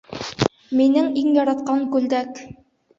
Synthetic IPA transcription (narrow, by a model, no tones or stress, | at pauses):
minɘŋiŋjɒɾɑt̪̚qɑŋkʉld̪æk